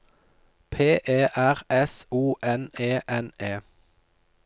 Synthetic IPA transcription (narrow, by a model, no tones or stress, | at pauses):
pʰeːʔeːʔæʁɛsuːʔɛneːʔɛneː